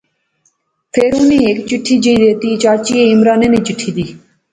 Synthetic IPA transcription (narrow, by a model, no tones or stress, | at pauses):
pʰeːɾuːneːeːkt͡ʃɪʈʰːiːd͡ʒəiːd̪eːt̪iːt͡ʃaːt͡ʃiːeːɪmɾaːneːneːt͡ʃɪʈʰːiːd̪iː